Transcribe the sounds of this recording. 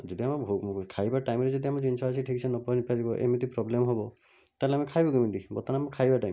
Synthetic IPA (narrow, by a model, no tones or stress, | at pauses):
d͡ʒɔd̪iamɔbʱukʰajbaʈajmɾed͡ʒɔd̪iamɔd͡ʒinsʰɔɦasʰiʈʰikisʰɔnɔpɔnipaɾibɔʔḛmit̪ipɾɔblemɔɦobɔ | t̪aɦleamekʰajbɔɡimint̪ibɔt̪ɔnamɔkʰajbaʈajm